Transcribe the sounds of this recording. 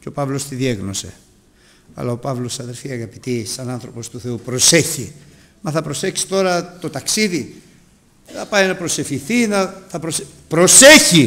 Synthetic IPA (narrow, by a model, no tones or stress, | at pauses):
ceopɐvlo̞st̪iðieɣno̞se̞̰ | ɐ̰lɐo̞pɐvlo̞sɐðe̞ɾfiɐɣɐpit̪isɐnɐnθɾo̞po̞st̪uθe̞upɾo̞se̞çi | mɐθɐpɾo̞se̞çsi̥t̪o̞ɾɐt̪o̞t̪ɐksiði | θɐpɐjnɐpɾo̞se̞fçiθinɐθɐpɾos | pɾo̞seçi